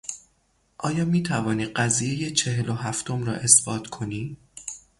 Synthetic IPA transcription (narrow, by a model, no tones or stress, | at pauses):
ʔɒːjɒːmiːt̪ʰævɒːniːɢæziːje̞je̞t͡ʃʰe̞ɦelo̞ɦæft̪ʰomɾɒ̰ːʔe̞sb̥ɒːt̪ʰkʰo̞niː